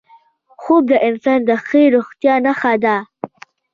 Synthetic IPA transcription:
xob̚d̪əʔɪnsɑnd̪əxəɾoxt̪jɑnaxad̪a

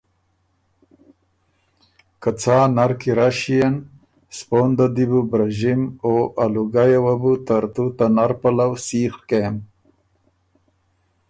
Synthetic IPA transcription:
kat͡sʰaːnaɾkiɾaʃijan | spoːnd̪ad̪ibubɾaʒimoʔaluɡajawabut̪aɾt̪ut̪anaɾpalawsiːxkem

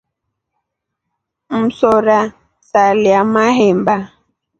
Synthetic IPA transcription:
m̩sɔɾa | saljamahɛmba

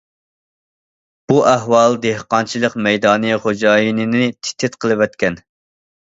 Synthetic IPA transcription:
b̥uʔæɦwɑlˠd̪ehqɑnt͡ʃʰilˠəqmɛjd̪ɑːnɨχod͡ʒɑːjinɨnɪt̪ʰɪ̥t̪ʰːɪt̪qʰəlˠɨwɛt̪kʲɛn

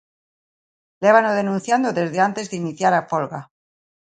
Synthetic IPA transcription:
leβanoð̞e̞nũnθjand̪oðe̞zðeant̪e̞zðeiniθjaɾapolɣa

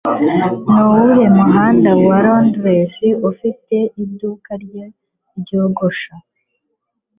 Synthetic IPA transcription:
nowuje̞muɦaːndawaɾondwesiufite̞ʔidukaɾɟa | bɟoːɡoʃa

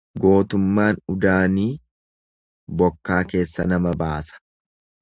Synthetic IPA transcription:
ɡo̞ːt̪ʊmːaːnʊd̪aːniː | bɔkːaːke̞ːsːɐ̰nɐmɐbaːsɐ̥

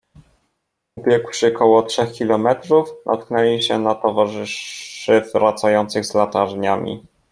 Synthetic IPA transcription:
ubʲjɛkwʂɘkʰɔwɔtʂɛxkʲilɔmɛt̪ɾufd̪ɔ̰t̪̚knɛlʲiɕɛnat̪ɔvaʐɘʂɘvɾat̪sajɔnt̪sɘɣzlat̪aʐɲamʲḭ

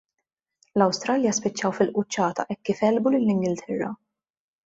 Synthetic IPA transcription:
lɐwst̪ɾɐljɐspɪt͡ʃːɐwfɪlʔʊt͡ʃːɐːt̪ɐ̰ʔɛkːiːfɛlbulɪlːɪŋɡɪlt̪ʰɛrːɐ̰

